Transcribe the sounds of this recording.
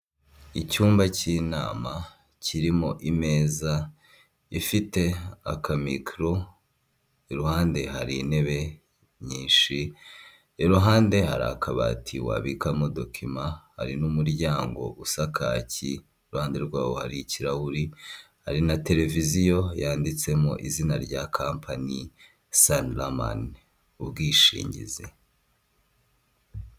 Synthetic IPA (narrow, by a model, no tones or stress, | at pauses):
icuːmbacina̰ːma | cʰiɾimoʔime̞ːza | ifite̞a̰kʰamikɾo | iɾuhaːnde̞ɦaɾine̞βe̞ | ɲiːʃi | eɾuɦaːnde̞ha̰ɾa̰kaβa̰ːtʰiwa̰βikamodokʰimaha̰ɾinumuɾɟaːŋɡo̞̰ʔusakʰa̰ːci | uɾuhaːnde̞ɾɡwaːβohaɾiciɾahuɾi | haɾinate̞ɾe̞vizijo̞jaːndit͡se̞moʔizinaɾɟakʰaːmpʰani | sanlama̰n | ubɡiːʃḭːɲɟḭzḛ